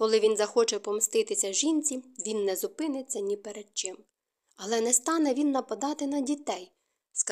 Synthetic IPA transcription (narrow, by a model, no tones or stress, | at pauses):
kɔlˠɪʋʲinzɐxɔt͡ʃɛpɔmst̪ɪt̪ɪsʲɐʒinʲt͡sʲiʋʲinːɛzʊpɪnɪt͡sʲːɐnʲipeɾed̪̚t͡ʃɪm | ɐlˠɛnɛst̪ɑnɛʋʲinːɐpɐd̪ɑt̪ɪnɐdʲit̪ɛj | sk